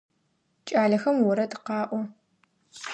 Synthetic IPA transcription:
t͡ʃʼaːɮɐxɐmwʊɾɐdɨqɑːʔʷɔ

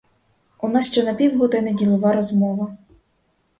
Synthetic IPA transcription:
ʊnɑsʃt͡ʃɛnɐpʲiwɦɔd̪ɪnɪdʲilˠɔʋɑɾɔzmɔʋɐ

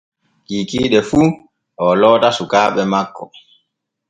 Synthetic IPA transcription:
kikiːɗɛfu | ʔɔlɔːtasukaːɓɛmakːɔ̰

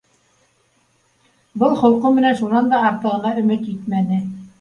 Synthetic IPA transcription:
bɤlˠχŏlˠqɤmɘ̆nænʃunɑnd̪ɑɑɾt̪ɤ̆ʁɤ̆nɑɵ̆mɘt̪it̪mænɘ

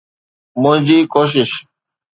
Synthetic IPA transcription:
mʊ̃ːd͡ʑiːkoːʃ̬ɪʃ

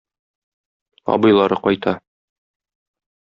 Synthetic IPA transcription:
ɒ̰bɤ̆jlˠɑɾɤqɒjt̪ɑ

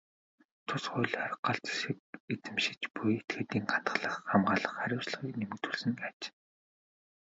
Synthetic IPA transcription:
t̪ʰʊsχʊjɮʲχaɾə̆qɢaɬt͡sʃĭket͡sɘ̆mʃɪ̥̆t͡ɕpujet̪̚ɡĕːt̪iːŋɢan̥t̪ə̥̆χɮə̆χːamɢaːɮə̆χːaɾʲʊːt͡ɕɮə̆χiːknemɘ̆k̚t̪ʰuɮsɘ̆ŋkat͡ɕ

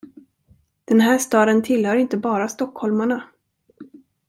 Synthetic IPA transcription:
d̪̥ɛnɦæːʂt̪ɑːd̪ənt̪ʰɪlhœːɾɪnt̪əbɑːɾast̪ɔkhɔlmaɳa

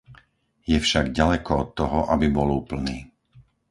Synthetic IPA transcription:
jɛfʃaɡɟalɛkɔɔt̪ːɔɦɔʔabibɔluːpl̩niː

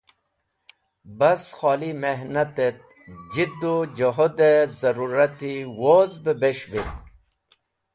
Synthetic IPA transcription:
bɐsxɑːlimeɦnat̪et̪̚ | d͡ʑid̪ud͡ʑoɦod̪ezɐɾuɾɐt̪iwozbəbeɕvit̪

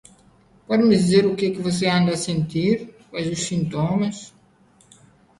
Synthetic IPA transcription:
pɔd̪ɪmɪd̪izeɾukekɪvos̬eãnd̪ɐːsẽnt̪iɾkazussĩnt̪omɐs

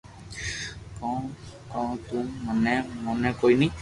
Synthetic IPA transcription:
kɔ | kɔ̃t̪umːanɛmɔnɛkojni

